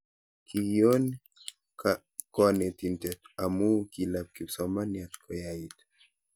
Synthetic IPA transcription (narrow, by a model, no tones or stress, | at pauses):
kʰijon | ka | kɔnɛt̪int̪ɛt̪amukilap̚kipsɔmanjat̪kʰɔjait̪